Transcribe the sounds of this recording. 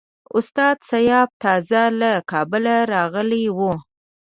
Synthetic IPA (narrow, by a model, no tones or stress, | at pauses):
ʊst̪ɑd̪sajɑb̚t̪ɑzalakɑbʊlaɾɑɣəlewu